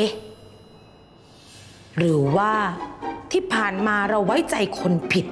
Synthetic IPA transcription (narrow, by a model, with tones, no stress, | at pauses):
ɾɯː˩˦waː˥˩t̪ʰiː˥˩pʰaː˨˩nmaː˧ɾa˧wːa˦˥jt͡ɕa˧jkʰo˧npʰi˨˩t̪̚